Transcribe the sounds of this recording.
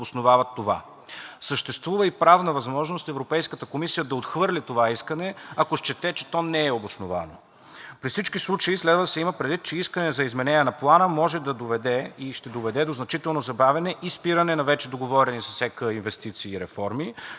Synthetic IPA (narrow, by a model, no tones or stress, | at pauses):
osnovavɐt̪ːova̰ | səʃt̪ɛst̪vuvəipɾavnəvɐzmɔʒnost̪ɛvɾopɛjskət̪əkomisijəd̪ɐot̪xvɤɾlʲit̪ovaiskənɛɐkoʃt͡ʃɛt̪ɛt͡ʃɛ̥t̪ɔnɛːobosnova̰no | pɾifsit͡ʃkislˠut͡ʃɐislɛd̪vəd̪ɐsɛiməpɾɛd̪vit̪t͡ʃɛiskənɛzɐizmɛnɛnʲɛnɐplˠanəmɔʒɛd̪ɐd̪ovɛd̪ɛiʃt̪ɛd̪ovɛd̪ɛd̪oznɐt͡ʃit̪ɛlˠnozɐbavɛnɛʔispiɾənɛnɐvɛt͡ʃɛd̪oɡovɔɾɛnisəsɛkəinvɛst̪it̪siːɾɛfɔɾmi